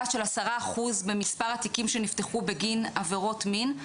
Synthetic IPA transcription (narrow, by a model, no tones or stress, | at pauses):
ʃe̞lasaʁaːχuzbe̞mispaʁat̪ikimʃenift̪e̞χube̞ɡinaveʁo̞tmin